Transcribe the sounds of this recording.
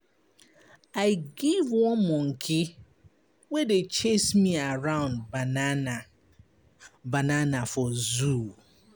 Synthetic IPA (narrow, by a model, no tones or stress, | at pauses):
aɪɡivwɔ̃mɔ̃ŋ̩kʰɪ | wedet͡ʃesmiaɹãʊ̃ndban | bananafɔzu